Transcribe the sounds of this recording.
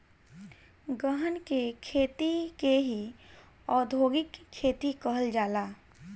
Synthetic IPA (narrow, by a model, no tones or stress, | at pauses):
ɡəɦənkekʰeːt̪ikeɦi | ɔːd̪ʱoːɡɪkʰːeːt̪ikəɦəld͡ʒaːlaː